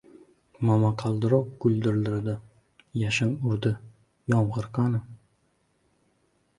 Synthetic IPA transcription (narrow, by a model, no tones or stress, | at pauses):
mamaqʰɑlˠd̪ɪɾɒq̚ɡ̥ʊlʲˠd̪ɪɾld̪ɪɾd̪ɪ | jaʃɪŋʊɾd̪ɪ | jɒmʁɨɾqʰɑnɪ